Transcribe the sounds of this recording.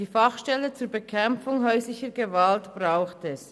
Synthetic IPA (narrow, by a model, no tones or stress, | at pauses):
iːfɑχʃtɛlət͡suːɐbəkʰɛmfʊŋɦœʏslɪçəɡəvaltb̥ʁaʊxtɛs